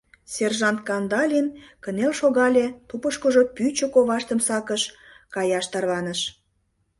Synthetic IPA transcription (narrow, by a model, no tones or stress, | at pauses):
serʒɑnt̪̚kɑnd̪ɑlʲinkənelʃoɣɑlʲet̪upəʃkəʒopyt͡ɕəkoβɑʃt̪əmsɑkəʃ | kɑjɑʃt̪ɑrβɑnəʃ